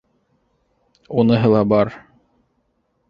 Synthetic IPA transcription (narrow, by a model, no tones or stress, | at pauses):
unɤ̆ɦɤlˠɑbɑɾ